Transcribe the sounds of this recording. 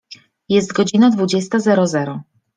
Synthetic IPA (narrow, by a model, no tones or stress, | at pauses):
jɛst̪ɡɔd͡ʑinad̪vud͡ʑɛst̪azɛɾɔzɛɾɔ